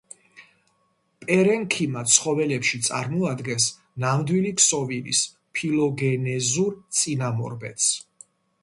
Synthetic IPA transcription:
pʼɛɾɛnkʰimat̪sʰχɔvɛlɛpʃit̪sʼa̰ɾmɔad̪ɡɛns | namd̪wiliksɔviɾḭs | pʰilɔɡɛnɛzuɾt̪sʼinamɔ̰ɾbɛ̰t̪s

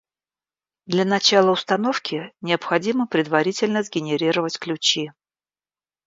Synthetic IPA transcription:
d̪lʲənɐt͡ɕalˠəʊst̪ɐnofkʲɪnʲɪəpxɐdʲiməpɾʲɪd̪vɐɾʲitʲɪlʲnəzɡʲɪnʲɪɾʲiɾəvətʲklʲʉt͡ɕi

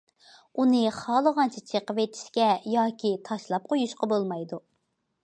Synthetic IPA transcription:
unɨχɑːlˠəʁɑnt͡ʃʰit͡ʃʰeqəvet̪ʰɪ̥ʃkʲɛjɑːkʲʰit̪ʰɑʃlˠɑp̚qʰojuʃqɑbolˠmɑjd̪u

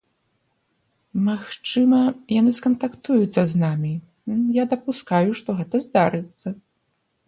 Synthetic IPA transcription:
maxt͡ʂɨmɐjanɨskɐnt̪akt̪ujut̪sːɐznamʲi | jad̪ɐpuskajuʂt̪ɔɣɛt̪ɐzd̪aɾɨt̪sːɐ

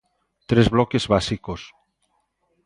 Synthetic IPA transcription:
t̪ɾezβlɔkezβasikos

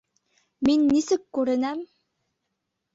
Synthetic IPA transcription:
minːisɘkːʉɾɘ̆næm

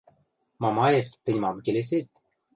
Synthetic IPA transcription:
mɑmɑjeft̪ɘ̆nʲmɑmkʲelʲes̬ʲet̪̚ʲ

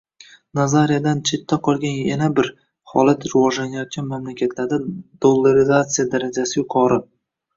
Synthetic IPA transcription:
nazaɾijad̪ant͡ʃʰe̞t̪ʰːaqʰɒlˠɡʲanjanabɪɾ | χɒ̰lat̪ɾɪvɒʒlanɪjat̪̚kʲanmamlakʲat̪laɾd̪ad̪̥olˠːaɾɪzat̪sɨjad̪aɾad͡ʒasɪjʊqʰɒɾɪ

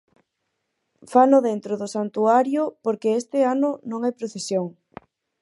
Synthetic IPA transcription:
fanʊðent̪ɾʊðʊsant̪uaɾjʊpoɾkeest̪ɪanʊnõŋɛpɾoθesjoŋ

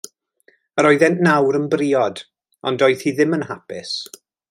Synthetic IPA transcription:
əɾɔɨðɛnʔnawɾənbriːɔd | ɔ̰ndɔɨðhiðɪmənhapɪs

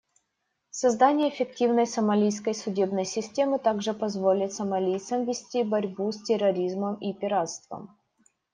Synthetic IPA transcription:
sɐzd̪anʲɪjəːfʲɪktʲivnəjsəmɐlʲijskəjsʊdʲe̞bnəjsʲɪsʲtʲe̞mɨt̪aɡʐɨpɐzvolʲɪt̪sɐmɐlʲijt̪səmvʲɪsʲtʲibɐɾʲbusʲtʲɪrːɐɾʲizməmipʲɪɾat̪st̪və̰m

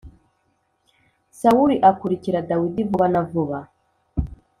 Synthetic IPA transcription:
sauɾiʔakuɾikiɾadawidivuβanavuβa

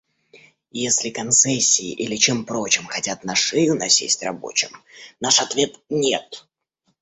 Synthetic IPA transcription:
jesʲlʲɪkɐnt̪sɛsʲːɪ̰ːʔilʲɪt͡ɕe̞mpɾo̞t͡ɕɪmxɐtʲat̪naʂɨjʊnɐsʲḛsʲtʲrɐ̰bo̞̰t͡ɕɪmnaʂɐt̪vʲe̞t̪nʲet̪

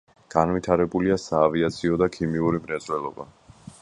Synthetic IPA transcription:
ɡ̥anvit̪ʰaɾɛbuliasaːviat̪sʰiɔd̪akʰimiuɾimɾɛzʼwɛlˠɔba̰

